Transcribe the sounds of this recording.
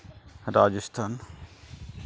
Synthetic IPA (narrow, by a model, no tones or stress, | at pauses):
ɾaːd͡ʒəst̪ʰaːn